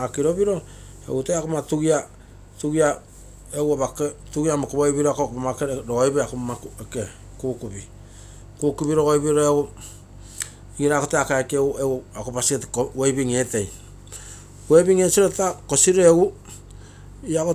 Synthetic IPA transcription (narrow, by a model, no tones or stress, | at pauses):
akiɾo̞biɾo̞ | ḛɡutejakomatuɡia | tuɡia | ewaβaketuɡiamakoβojbiɾoakokomakeɾɾoojbeakomakeke | kuːkubi | kuːkubiɾoɡojbiɾoeu | ɡiɾakoteakeakeewakopasietkowejbiŋe̞ːte̞j | webiŋe̞siɾotako̞siɾoeɡu | iako